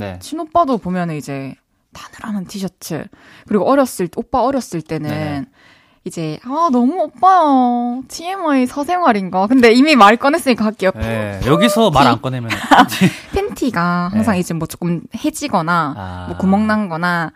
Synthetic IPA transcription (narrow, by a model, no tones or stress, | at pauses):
nḛt͡ɕʰinop͈adopomjʌnɯnid͡ʑe̞ | tanɯɾanɯntʰiɕʰʌt͡ɕʰɯ̰ | kɯɾiɡoʔʌɾjʌs͈ɯɭtop͈aʌɾjʌs͈ɯɭt͈e̞nɯn | id͡ʑe̞anʌmuop͈ajʌtʰiemaisʰʌsʰe̞ŋɦwaɾinɡakɯnde̞imimaɭk͈ʌnes͈ɯɲik͈aɦak͈iʌk͈ojʌɡisʰʌmaɾa̰nk͈ʌnemjʌ | pʰentʰiɡahaŋsʰaŋid͡ʑemwʌt͡ɕ͈o̥k͈ɯmhe̞d͡ʑiɡʌnamwʌkumʌŋnanɡʌna